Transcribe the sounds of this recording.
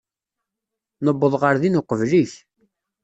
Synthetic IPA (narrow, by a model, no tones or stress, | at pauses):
nəbːəðˤʁəɾðinʊqəvliç